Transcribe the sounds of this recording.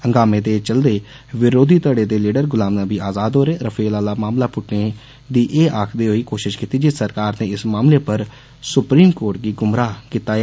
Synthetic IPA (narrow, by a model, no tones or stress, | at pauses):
ə̃ŋɡaːmẽːd̪eːt͡ʃəld̪eː | ʋɪɾoːd̪ʱiːt̪əɽeːd̪eːliːɖəɾɡʊlaːmnaːbiːaːzaːd̪ɦoːɾeːɾəpʰeːlaːlaːmaːmlaːpʊʈneː | d̪iːʔeːʔaːkʰd̪eːɦoiːkoːʃɪʃkiːt̪iːd͡ʒisəɾkaːɾnẽːɪsmaːmleːpəɾ | sʊpɾiːmkoːɾʈ̚ɡiːɡʊmɾaːkɪt̪aːɛ